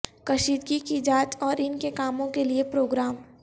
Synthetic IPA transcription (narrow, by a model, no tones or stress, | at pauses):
kɐʃiːd̪ɡikid͡ʒaːt̪ɔːɾɪnkekaːmõkeliepɾoːɡɾaːm